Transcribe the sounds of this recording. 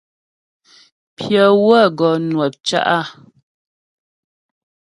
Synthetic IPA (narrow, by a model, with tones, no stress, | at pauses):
pʰjə˨wə˦ɡɔ˨nwɛ˨p̚t͡ʃa̰˦ʔa˦˨